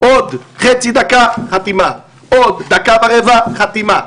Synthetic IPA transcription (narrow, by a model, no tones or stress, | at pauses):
ʔod̪χet͡sid̪akaχat̪ima | od̪ːakavaʁevaχat̪ima